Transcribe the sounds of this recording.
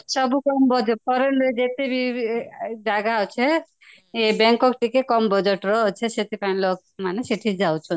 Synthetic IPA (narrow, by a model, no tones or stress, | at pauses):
sʌbukɔmbɔd͡ʒeʈ̚pɔɾenɾed͡ʒet̪ibʱi | d͡ʒaɡaɔt͡ʃʰe | ebeŋkɔkʈikekɔmbɔd͡ʒeʈɾɔt͡ʃʰeset̪ipaĩlok̚ | manesiʈʰid͡ʒawt͡ʃʰɔn